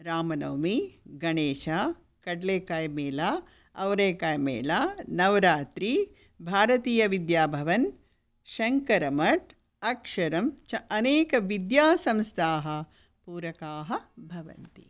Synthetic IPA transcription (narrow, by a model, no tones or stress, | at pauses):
ɾaːmɐnɐːmiɡɐɳeːʃaː | kɐɖleːkaːjɐmeːlaː | ɐʋɾeːkajmḛːlaːnɐʋɾaːt̪ɾi | bʱaːɾɐt̪iːjɐʋid̪jaːbʱɐʋɐn | ʃɐŋkɐɾɐmɐʈ | ɐkʃɐɾɐmt͡ʃɐʔɐneːkɐʋid̪jaːsɐ̃mst̪ʰaːɦɐ | puːɾɐkaːɦɐbʱɐʋɐ̰nt̪ḭ